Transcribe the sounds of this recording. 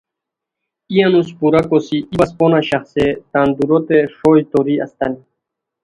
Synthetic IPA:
ianuspuɾakɔsiʔibaspɔnaɕaχset̪and̪uɾɔt̪eʂɔjt̪ɔɾia̰st̪ani

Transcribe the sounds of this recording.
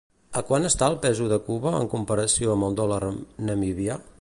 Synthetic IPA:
əkwanəst̪aəlˠpɛzuðəkuβəə̰ŋkumpəɾəsioəmbəlˠd̪ɔlaɾnəmiβia

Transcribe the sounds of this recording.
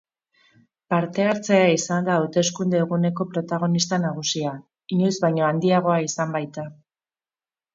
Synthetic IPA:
paɾt̪e̞aɾt͡se̞aisand̪aːwt̪e̞skund̪e̞ːɣune̞ko̞pɾo̞t̪aɣ̞o̞nist̪anaɣ̞usia | iɲojzβajɲo̞and̪iaɣo̞aisambajt̪a

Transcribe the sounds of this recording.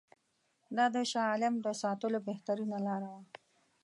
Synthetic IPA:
d̪ɑd̪əʃɑːlɪmd̪əsɑt̪əlobeht̪aɾunalɑɾawa

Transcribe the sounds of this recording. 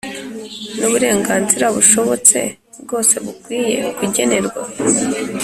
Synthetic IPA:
nuβuɾe̞ːŋɡaːnziɾaβuʃo̞βo̞t͡se̞̰ | bɡo̞ːse̞βukwiːje̞̰kuɟe̞ne̞ɾɡwa

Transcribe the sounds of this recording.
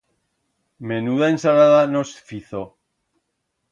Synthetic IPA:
me̞nuðaensalaðano̞sfiθo

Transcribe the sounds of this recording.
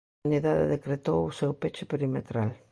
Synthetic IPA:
niðaðḛðekɾet̪owʊsewpet͡ʃɪpeɾimet̪ɾal

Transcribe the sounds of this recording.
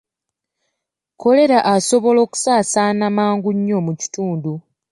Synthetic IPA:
ko̞le̞ɾaʔaso̞βo̞lo̞ːku̥saːsaːnamaːŋɡuɲːo̞muci̥tuːndu

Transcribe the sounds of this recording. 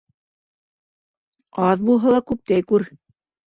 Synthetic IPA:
ɑðbulˠɦɑlˠɑkʉp̚t̪æjkʉɾ

